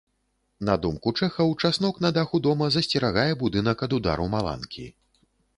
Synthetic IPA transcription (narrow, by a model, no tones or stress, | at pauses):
nɐd̪umkut͡ʂɛxɐwt͡ʂasnɔknɐd̪axud̪ɔmɐzɐsʲt͡sʲɛɾaɣajɛbud̪ɨn̪ɐkɐd̪ud̪a̰ɾumalˠa̰nkʲḭ